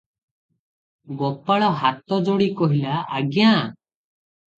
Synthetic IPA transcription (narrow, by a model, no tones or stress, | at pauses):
ɡɔpaɭɔɦat̪ɔd͡ʒoɽikɔɦilaːɡjã